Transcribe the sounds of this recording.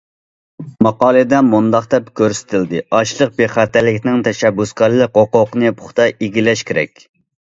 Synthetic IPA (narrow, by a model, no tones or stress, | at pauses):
mɑqɑːlˠɨd̪ɛmund̪ɑχt̪ɛpkʲʰøɾsɪ̥t̪ʰɪld̪ɪɑʃlˠəq̚beχæt̪ɛlɪkʲnɪŋt̪ʰɛʃɛbːuskɑɾlˠɨkoqoqnɨpʰʊ̥χt̪ɑʔeɡʲilɛʃkʲʰeɾɛ̰kʲ